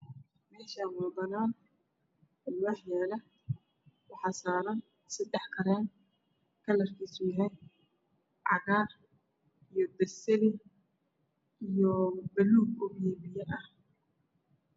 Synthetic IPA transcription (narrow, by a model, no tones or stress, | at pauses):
mɛːʃaːwɑd̪ɐnaːn | lʊwɑħjɛːlɐ | wɑħɑːsaːɾɐn | sɪɖɛħkʰɐɾɛːn | kʰɐlɐrkʰiːsʊjɐɦɛn | ʕɑɣaːr | ijɔb̪ɐsɛlɪ | ijɔbɐluːɡʊɣjɛːβɪjɛʔɐh